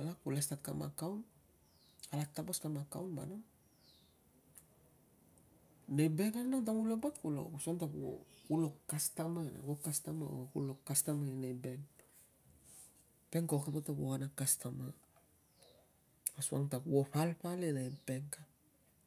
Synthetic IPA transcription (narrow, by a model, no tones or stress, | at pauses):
alakulestat̚kama̰kawn | alataboskamaka̰wnba̰noŋ | nejbekananaŋt̬amulobatkulo̰usuaŋtakuo̰ulokːastamana̰wokastama̰o̰kṵlokːastamaenejben | pe̞ŋkaokepatakoanakastama | asua̰ŋtakuopalpalenajbeŋka